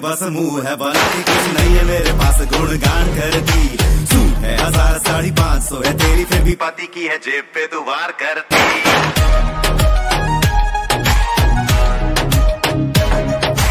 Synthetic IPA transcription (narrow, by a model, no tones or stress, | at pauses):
bəsmũːɦɛbənãt̪iːkʊt͡ʃʰnəĩːɦɛmeːɾepaːsɡʊɽɡãːɽ̃kəɾt̪iːsuːɦɛːɦəzaːɾt̪aːɽipãːt͡ʃsɔːɦɛːt̪eːɾiːp̪ʰebʱiːpət̪iːkiːɦɛːd͡ʒeːpːeːd̪ʊːʋaːɾkəɾt̪iː